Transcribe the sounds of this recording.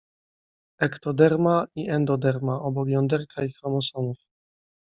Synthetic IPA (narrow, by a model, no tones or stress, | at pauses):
ɛkt̪ɔd̪ɛɾmaiʔɛnd̪ɔd̪ɛɾmaʔɔbɔkjɔnd̪ɛɾkʰaixɾɔmɔsɔnuf